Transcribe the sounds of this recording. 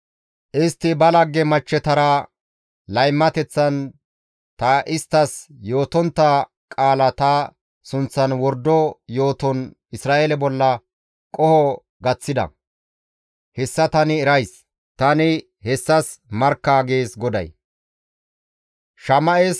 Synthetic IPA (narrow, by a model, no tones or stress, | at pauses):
ʔɪst̪ːɪbɐlɐɡːɛmɐt͡ʃːɛt̪ɐɾɐ | lɐjmːɐt̪ɛt͡sːɐn | t̪ɐʔɪst̪ːɐsjo̞ːt̪ɔnt̪ːɐ | kʼaːlɐt̪ɐ | sʊnt͡sːɐnwɔɾd̪ɔjo̞ːt̪ɔn | ɪsɾaːʔelɛbɔlːɐ | kʼɔhɔ | ɡɐt͡sːɪd̪ɐ̰ | hɛsːɐt̪ɐnɪːɾɐjs | t̪ɐnɪ | hɛsːɐsmɐɾkːaːɡe̞ːsɡɔd̪ɐ̰j | ʃɐmɐʔes